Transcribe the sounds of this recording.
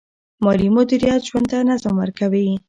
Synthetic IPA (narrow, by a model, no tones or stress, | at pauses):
mɑlimʊd̪iɾijat̪ʒwand̪̚t̪anazamwəɾkawi